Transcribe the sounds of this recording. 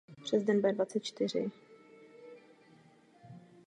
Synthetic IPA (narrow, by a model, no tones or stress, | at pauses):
pr̥ɛzdɛnbɛdvat͡sɛt̪̚t͡ʃt̪ɪr̝ɪ̰